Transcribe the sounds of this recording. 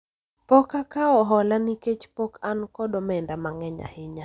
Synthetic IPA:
pɔkakaɔɦɔlaniket͡ʃpɔkʰankɔdɔmɛndamaŋɛɲa̰hɪɲa

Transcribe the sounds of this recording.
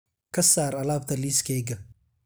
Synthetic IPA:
kʰɐsaːɾɐlaːb̚t̪ʰɐliːskʰɛːɡɐ

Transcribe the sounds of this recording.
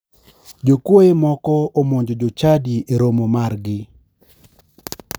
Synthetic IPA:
d͡ʒokwojemɔkɔomoɲd͡ʒod͡ʒot͡ʃadieɾomomarɡɪ

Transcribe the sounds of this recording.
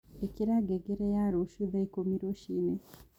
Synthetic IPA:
ekiɾaɡeɡeɾejaɾuʃuðeikomiɾoʃine

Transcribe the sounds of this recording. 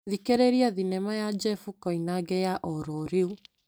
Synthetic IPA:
ðikeɾeɾiaðinɛmajad͡ʒɛfukɔinaɡɛjaʔɔɾɔɾeu

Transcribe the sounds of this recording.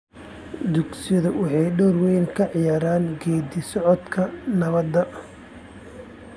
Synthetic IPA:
d̪ʊɡsɪjɐðɐwɑħɑjɖɔːrwɛjnkʰɐʕɪjaːɾaːnɡɛːd̪isɔʕɔd̪kʰɐnɐβɐd̪ːɐ

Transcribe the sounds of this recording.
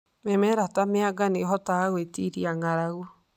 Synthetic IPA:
mɛmɛɾatameaɡaneɦɔtaaɣwetiɾiaŋaɾaɣwɔ

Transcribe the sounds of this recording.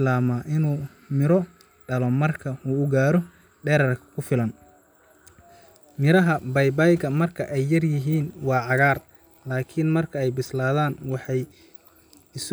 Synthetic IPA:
laːmaːʔɪnuː | mɪɾɔ | ɖɐlɔmɐrkʰɐuːʊɡaːɾɔ | ɖɛːɾɐrkʰɐ̥kʰʊfɪlɐn | mɪɾɐɦɐbɐjbajɡɐmɐrkʰɐʔɛjːɐrjɪɦiːnwɑːʕɑɣaːr | laːkʰɪnmɐrkʰɐɛjbɪslaːðaːnwɑħɑj | ɪs

